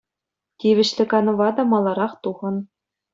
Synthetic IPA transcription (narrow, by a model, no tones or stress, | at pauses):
tʲiʋʲɘ̆ɕlʲɘ̆kɑnɤ̆ʋɑd̪ɑmɑlˠɑɾɑχt̪uʁɤ̆n